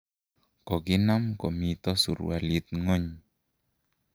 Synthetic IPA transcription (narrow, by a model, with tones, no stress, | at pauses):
kɔ˨ɡɪ˦na˦mkɔ˨mi˨t̪ɔ˦sṵ˨ɾ̰a̰˨li˨t̪̚ŋɔ˦ɲ